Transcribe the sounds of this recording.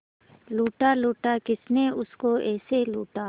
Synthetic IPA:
luːʈaluːʈakɪsneʊskoɛːseluːʈaː

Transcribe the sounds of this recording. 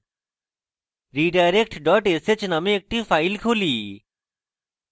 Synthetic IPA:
ɾiːɖajɾekʈɖɔːʈeset͡ʃnɐmẽːk̚ʈiːfaːɪlkʰuliː

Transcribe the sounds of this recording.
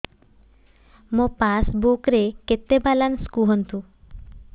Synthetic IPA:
mopasbukɾeket̪ːebalanskuɦɔnt̪u

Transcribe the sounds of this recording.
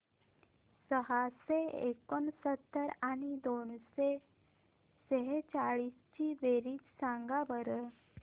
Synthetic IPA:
səɦaseḛkənsət̪ːəɾanid̪oːnse | səɦet͡ɕaɭiːst͡ɕiʋeɾiːt͡ʃsãŋɡaʋəɾ

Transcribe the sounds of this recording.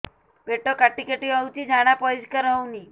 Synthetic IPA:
beʈokaʈikeʈiəwt͡ʃid͡ʒaɽ̃apɔid͡ʒkəɾəwni

